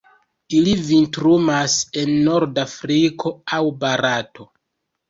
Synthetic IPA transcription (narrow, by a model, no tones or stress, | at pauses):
ilivintɾumase̞nːo̞ɾdafɾikʰo̞awbaɾato̞